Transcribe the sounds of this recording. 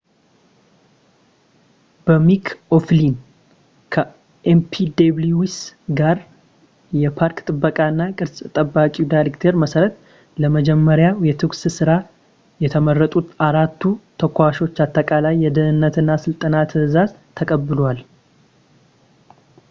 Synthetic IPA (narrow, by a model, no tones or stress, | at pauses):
b̥əmikʰoflin | kʰə | ʔempʰid̪ebluwisɡaɾ | jɛpʰaɾkt̪ʼɨbːəkʼanːakʼɨɾsʼt̪ʼəbːakʼidajɾekt̪ʰeɾməsəɾət̪ | ləməd͡ʒɛmːəɾjajɛt̪ʰɨkssɨɾa | jɛt̪ʰəmərːət̪ʼut̪aɾat̪ʰːut̪ʰəkʰʷːaʃo̞t͡ʃːat̪ːəkʼalajːɛd̪əhɨnːət̪ʰɨnːasɨlt̪ʼənat̪ʰɨzazt̪ʰːəkʼəbːɨlwal